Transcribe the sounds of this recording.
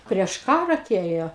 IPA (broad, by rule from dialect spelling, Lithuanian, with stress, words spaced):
pʲrʲiɛʃ ˈkɑːrɑː ɐˈtʲeːjoː